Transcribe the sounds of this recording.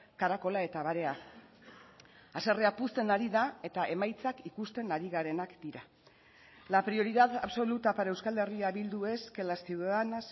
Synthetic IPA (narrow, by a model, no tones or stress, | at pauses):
kaɾako̞lae̞t̪aβaɾe̞a | ase̞reapust̪e̞naɾiðae̞t̪aʔe̞majt͡sakikust̪e̞naɾiɣaɾe̞nakd̪iɾa | lapɾio̞ɾiðaðaβso̞lut̪apaɾe̞wskald̪e̞riaβild̪ue̞skelasiwðaðanas